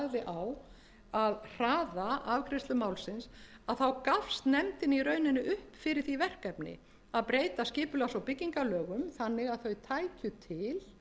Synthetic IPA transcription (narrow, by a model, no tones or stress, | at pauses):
ðɪʔaw | aðr̥aːðaavkʰɾɪst̪lʏmawlsɪnsaðθawkafst̪nɛmt̪ɪniɾœɥnɪnːɪʔʏhpfɪɾɪɾ̥θivɛr̥kɛpnɪ̰ | aðpɾejt̪ascɪːpʏlasawpɪcːiŋkalœːɣʏmθanːɪɣaðθœɥt̪ʰaːjcʏt̪ʰɪl